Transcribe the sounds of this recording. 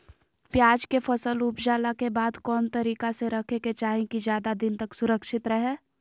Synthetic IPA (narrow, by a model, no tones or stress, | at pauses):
pjaːd͡ʒkefʰɐsəlʊpd͡ʒaːlakebaːd̪kɔːnt̪ɐɾiːkaseɾɐkʰeket͡ʃaːɦẽkizjaːd̪ad̪ɪnt̪ɐksʊɾəkʃɪt̪ɾɐɦeː